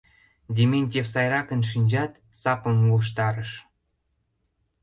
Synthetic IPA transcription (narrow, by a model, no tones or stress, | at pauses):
dʲemʲenʲtʲefsɑjɾɑkənʃ̬inʲd͡ʑɑt̪ | sɑpə̆muʃ̬t̪ɑɾəʃ